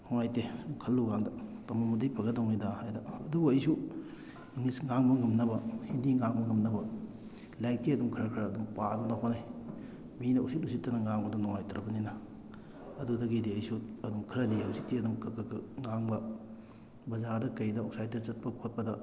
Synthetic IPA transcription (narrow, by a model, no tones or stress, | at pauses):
nɔŋajtedumkʰɐlːuɡaŋdɐtɐmɐmudɐjpʰɐɡɐdɐwnidahajdɐɐduɡuɐjsu | ŋisŋaŋbɐŋɐmnɐbɐhindiŋaŋbɐŋɐmnɐbɐ | lajk̚tiɐdumkʰɾɐkʰɾɐːdumpaduŋdɐɦonaj | minɐusit̚usitːɐnɐŋaŋbɐdunɔŋajtɐɾɐbɐninɐ | ɐdudɐɡidiɐjsuɐdumkʰɾɐdiɐwsitːiɐdumkɐkɐkɐŋaŋbɐ | bɐzadɐkɐjdɐok̚saj̚tɐt͡ʃɐt̚pɐkʰot̚pɐdɐ